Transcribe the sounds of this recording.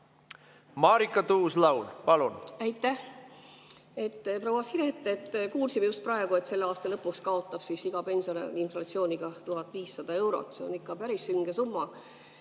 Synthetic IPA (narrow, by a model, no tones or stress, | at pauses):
mɑːɾikːˑɑt̪uːslɑwlpɑlunæjt̪ːˑæh | e̞t̪ːprowɑsiɾet̪ːˑet̪ːkuːlsimejust̪̚prɑe̞ɡ̥ue̞t̪se̞lːeɑːst̪ɑlɤpːˑukskɑo̞t̪ːˑɑb̥sisiɡ̥ɑpe̞nʲsonɑ̰linflɑt̪sioːnʲiɡ̥ɑt̪uɦɑt̪ːˑviːsːɑd̪̥ɑe̞wɾo̰t̪ːˑse̞o̰nikːɑpæɾisyŋɡ̥esumːɑ